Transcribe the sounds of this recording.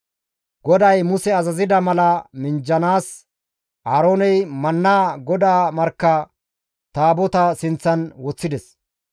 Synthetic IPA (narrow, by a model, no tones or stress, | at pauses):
ɡ̥ɔd̪ɐjmʊsɛɐzɐzɪd̪ɐmɐlɐmɪnd͡ʒːɐnaːs | ʔaːɾoːnɛjmɐnːaːɡɔd̪aːmɐɾkːɐ | t̪aːbɔt̪ɐsɪnt͡sːɐnwɔt͡sːɪd̪ɛs